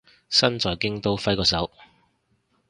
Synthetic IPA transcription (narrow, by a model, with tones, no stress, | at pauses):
sɐ˥nt͡sɔː˨jkɪ˥ŋt̪o˥wfɐ˥jkɔː˨˧sɐ˨˥w